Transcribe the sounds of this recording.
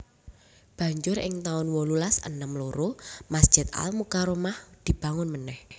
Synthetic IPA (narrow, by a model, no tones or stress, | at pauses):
b̥ä̤ɲd͡ʒʊɾɪ̰ŋt̪aʊnwɔlulasə̰nəmloɾomasd̥ʒ̥ɪ̤t̪̚a̰lmukaɾomahd̪̥i̤b̥ä̤ŋʊnmənɛh